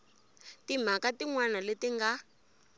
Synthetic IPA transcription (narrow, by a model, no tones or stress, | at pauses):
tim̤akatiŋwanaletiŋɡa